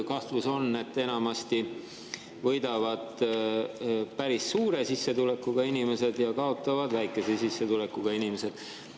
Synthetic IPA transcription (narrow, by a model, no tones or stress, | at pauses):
kɑht̪vuso̞nːe̞t̪ːe̞nɑmɑst̪i | vɤjd̪̥ɑvɑd̪̥ | pæɾisːuːɾe̞sisːe̞t̪ule̞kːuɡ̥ɑinime̞se̞d̪̥jɑkɑo̞t̪ːˑɑvɑd̪̥væjkːˑe̞se̞sisːe̞t̪ule̞kːˑuɡ̥ɑinimese̞d̪̥